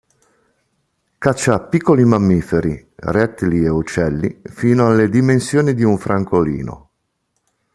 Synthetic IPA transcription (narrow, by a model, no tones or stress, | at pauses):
kat͡ʃːapːikːolimamːiːfeɾi | rɛt̪ːlieut͡ʃːɛlːḭfiːnoalːed̪imensjoːnid̪iuɱfɾaŋkolḭːno̰